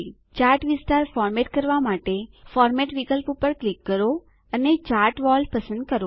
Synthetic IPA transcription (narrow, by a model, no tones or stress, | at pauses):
t͡ʃaɾʈʋɪst̪aɾfɔɾmeʈkəɾʋamaʈefɔɾmɛʈʋikəlpupəɾklikːəɾo | ənet͡ʃaɾʈʋɔlpəsə̃nd̪̚kəɾo